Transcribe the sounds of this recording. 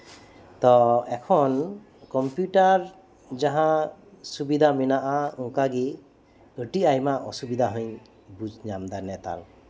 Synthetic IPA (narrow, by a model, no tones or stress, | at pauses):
t̪ɔɛkʰɔn | kɔmpjuʈaɾ | d͡ʒaɦã | subid̪ʱaminaʔaũŋkaɡi | əʈiajmaʔɔsubid̪ʱaɦɯɲ | bud͡ʒɲamd̪anɛt̪a̰l